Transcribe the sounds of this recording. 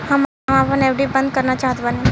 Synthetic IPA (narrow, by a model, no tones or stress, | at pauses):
ham | mapəɳɛʋɽibənd̪̚kəɾnat͡ɕaːɦət̪ʋane